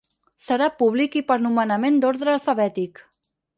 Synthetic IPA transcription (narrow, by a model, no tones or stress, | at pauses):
səɾapuβ̞likipəɾnumənəmend̪oɾðɾəːlˠfəβɛt̪ik